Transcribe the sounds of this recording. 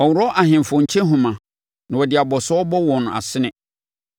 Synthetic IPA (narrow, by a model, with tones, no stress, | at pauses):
ɔ˨wʊ˨ɾɔ˦ʔa˨ɦɪ̃˨m˨fɔ̃˨ɲ̩˨t͡ɕʰɛ̃˦ɦũ˨mã˨ | nã˨wɔ˨dɪ˨a˨bɔ˨sɔ˦ɔ˦bɔ˦wɔ̃˨nʊ̃˨a̰˨sɪ˦nɪ̃˨